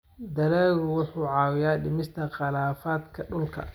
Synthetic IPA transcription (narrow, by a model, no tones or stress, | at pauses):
d̪ɐlaːɣʊwʊħuːʕɑːwɪjaːɖɪmɪst̪ʰɐqɑlaːfaːd̪kʰɐɖʊlkʰɐ̰